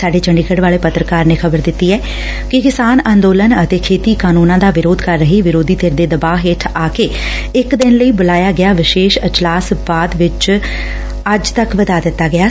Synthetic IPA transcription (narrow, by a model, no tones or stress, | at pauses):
saːɖeːt͡ʃəɳɖikʰəɖʋaːleːpət̪ɾəkaːɾneːkʰəbəɾd̪ɪt̪ːiːɛː | kɪkɪsaːnãːnd̪oːlənət̪eːkʰeːt̪iːkaːnuːnãːd̪aːʋɪɾoːd̪kəɾːəɦiːʋɪɾoːd̪iːt̪eːɾd̪eːd̪əbaːɦeʈʰaːkeː | ɪkd̪ɪnləiːbʊlaːjaːɡɪjaːʋɪʃeːʃət͡ʃlaːsbaːd̪ʋɪt͡ʃ | əd͡ʒt̪əkʋəd̪aːd̪ɪt̪ːaːɡɪaː